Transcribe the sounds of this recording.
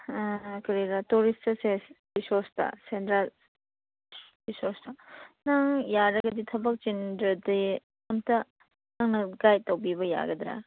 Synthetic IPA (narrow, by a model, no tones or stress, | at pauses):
kɐɾiɾatuɾistɐsebisoɾstɐ̰sentɾal | bisoɾstɐnaŋjaɾɐɡɐditʰɐbɐk̚t͡ʃendɾɐdi | ɐmtɐ | naŋnɐɡajtɐwbibɐja̰ɡɐd̪ɾa̰